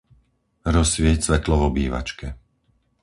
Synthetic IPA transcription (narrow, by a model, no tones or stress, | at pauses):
ɾɔsʋɪɛcsʋɛt̪lɔʋɔbiːʋa̰t͡ʃkɛ